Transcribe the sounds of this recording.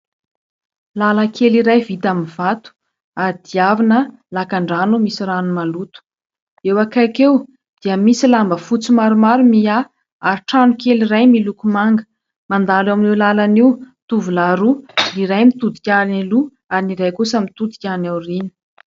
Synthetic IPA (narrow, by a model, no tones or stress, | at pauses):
laləkʰeliɾajvit̪aminv̥at̪u̥ | aɾid̪̥iavinə | lakaɳɖ͡ʐanumisiɾanumalut̪u̥ | ewakakew | d̪̥iəmisilambəfut͡simaɾumaɾumia | aɾiʈ͡ʂanukeliɾajmilukumaŋɡə̥ | mand̪alaminewlalaniwt̪uvulaɾuliɾajmit̪ud̪ikʲaɾinilu | aɾiniɾajkusamit̪ud̪i̥kʲanewrinə̥